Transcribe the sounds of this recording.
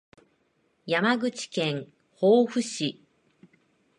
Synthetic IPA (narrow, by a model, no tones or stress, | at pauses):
jamaɡɯ̟t͡ɕi̥kẽ̞ŋ | hoːɸɯ̟ɕi